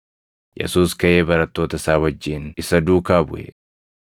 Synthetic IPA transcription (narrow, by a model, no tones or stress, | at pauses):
jɛ̰suːskɐʔe̞ːbɐɾɐt̪ːo̞ːt̪ɐɪsaːwɐd͡ʒːɪːnɪsɐd̪uːkaːbʊʔɛ̰